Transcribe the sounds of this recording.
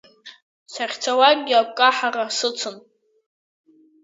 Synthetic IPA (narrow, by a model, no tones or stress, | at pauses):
saχʲt͡sʰawaɡ̚ʲɡʲɪap̚ʷʼkʼaħarasɨt͡sʷʰʊn